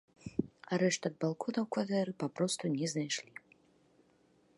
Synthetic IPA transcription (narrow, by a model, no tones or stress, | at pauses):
aɾɛʂt̪ɐd̪̚balˠkʰɔnɐwkvat̪ɛɾɨpapɾɔst̪unʲɛznajʂlʲi